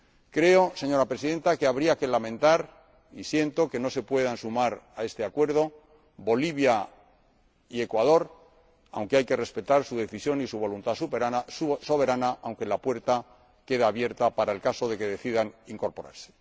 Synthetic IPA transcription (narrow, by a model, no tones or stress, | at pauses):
kɾe̞o̞se̞ɲo̞ɾapɾe̞siðe̞nt̪ake̞aβɾiake̞lamẽ̞nt̪aɾ | isje̞nt̪o̞ke̞no̞se̞pwe̞ð̞ansumaɾae̞st̪e̞akwe̞ɾð̞o̞ | bo̞liβ̞ja | ie̞kwað̞o̞ɾ | a̰wŋkeajke̞re̞spe̞t̪aɾsuðe̞θisjo̞nisuβ̞o̞lunt̪asuaso̞βe̞ɾanaʔawŋke̞lapwe̞ɾt̪a | ke̞ð̞aːβje̞ɾt̪apaɾaelkaso̞ðe̞ke̞ðe̞θiðaniŋko̞ɾpo̞ɾa̰ɾse̥